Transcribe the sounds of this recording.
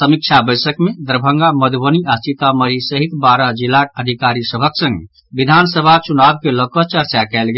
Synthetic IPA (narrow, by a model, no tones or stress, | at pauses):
səmik̚t͡ʃʰabəjsəkmed̪əɾbʱəŋɡaməd̪bəniat͡ʃit̪aməɾisəɦit̪baɾad͡ʒilːakəd̪ʱikaɾisəbʱəksə̃ŋɡ | bid̪ʱansəbʱat͡ʃunab̚keləkət͡ʃəɾt͡ʃakɛlɡe